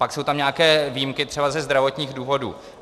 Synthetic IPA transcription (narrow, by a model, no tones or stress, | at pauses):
pakso̞wt̪amɲaːkɛːvijimkɪt̪r̥ɛbazɛzd̪ɾavo̞t̪ɲiːɣduːvo̞dṵː